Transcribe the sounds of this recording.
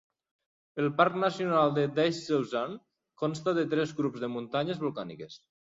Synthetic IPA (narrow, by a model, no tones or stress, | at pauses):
əlˠpaɾknasjunalˠd̪ed̪ɛʃsewzan | kɔnst̪aðət̪ɾɛzɣɾupzðəmunt̪aɲəzβulˠkanḭkes